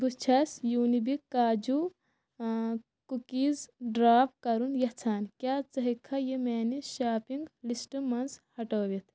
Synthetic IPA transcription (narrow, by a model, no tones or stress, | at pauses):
bust͡ʃʰɐsjuːnibikaːd͡ʒu | kukizɖɾaːpkɐɾunjɐt͡sʰaːnkʲjaːt͡sɐɦikʰːɐjemeːniʃaːpiŋɡlisʈɨmɐnzhɐʈoːʋit̪ʰ